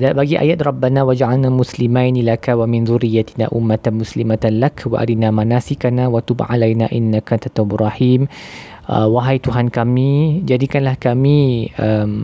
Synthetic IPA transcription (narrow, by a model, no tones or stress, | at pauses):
dabaɡiʔa̰jat̪rɑbːanawad͡ʒʕalnamuslimajnilakawamɪnzuɾijːat̪ina̰ʔumːat̪anmuslimat̪alakwa̰ʔa̰dinamanasikanawat̪ubʕalajnaʔinːakant̪at̪aburˤɑhim | ʔəwaɦajt̪uɦankamĩd͡ʒadikanlahkamĩəm